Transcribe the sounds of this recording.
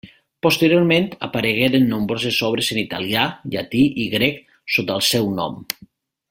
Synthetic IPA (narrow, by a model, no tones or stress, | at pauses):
post̪əɾjoɾmẽnt̪a̰paɾeɣeɾenːõmbɾozezɔβ̞ɾezənit̪aliaʎat̪iʔiɣɾɛk | sot̪alˠsɛwnɔ̰m